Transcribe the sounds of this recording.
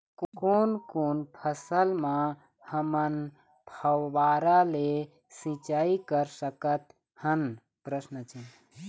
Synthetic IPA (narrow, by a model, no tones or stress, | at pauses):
konkoːnpʰəsəlmã | həmən | pʰəwʋaɾale | sĩt͡ʃaːikəɾsəkət̪ | hən | pɾəsnət͡ʃʰi